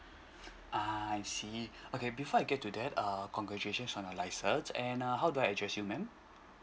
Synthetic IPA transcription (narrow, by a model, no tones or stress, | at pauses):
ʔaɛ̃nsiokebifɔajɡɛt̚ːudɛtəkɔ̃ŋɡɹɛt͡ʃueʃə̃nsɔ̃nalaɪsəsɛ̃naɦawduajədɹɛsjumɛ̃m